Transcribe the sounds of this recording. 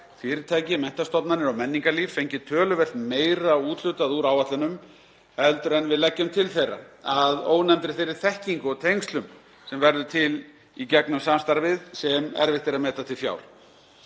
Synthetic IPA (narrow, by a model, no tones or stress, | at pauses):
fɪːɾɪɾt̪ʰaːjcɪmɛn̥t̪ast̪ɔp̪nanɪɾawmɛnːiŋkalifːejɲcɪt̪ʰœːlʏvɛlt̪meːjɾauːt̪l̥ʏt̪aðuɾawvat̪lɪnʏm | hɛlt̪ʏɾɛnvɪðlɛcːʏmt̪ʰɪlθejrːa̰aðoːwnɛmt̪ɾɪɾ̥θejɾɪ̥θɛhciŋkʏɔt̪ʰejŋst̪lʏm | sɛmvɛɾðʏt̪ʰɪl | icɛknʏmsamst̪aɾvɪðsɛmɛ̰ɾvɪht̪ɪɾaðmɛːt̪at̪ʰɪlfja̰ːwl̥